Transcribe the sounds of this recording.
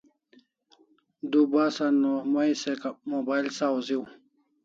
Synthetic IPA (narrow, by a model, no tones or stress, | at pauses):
d̪ubaːsanːomaisekamobailsaziw